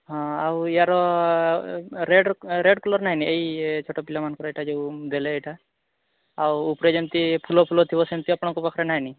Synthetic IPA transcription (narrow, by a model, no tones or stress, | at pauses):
ɦɔ̃awiaɾɔ | ɾeɖɾeɖkɔlɔɾnaɦiniʔeit͡ʃʰoʈɔpilamankɔɾɔeʈʰad͡ʒewd̪eleːjʈʰa | awupɾed͡ʒemt̪ipʰulɔpʰulɔt̪ʰibɔsemt̪iɔpɽ̃ɔ̃kubɔkʰɾanaɦini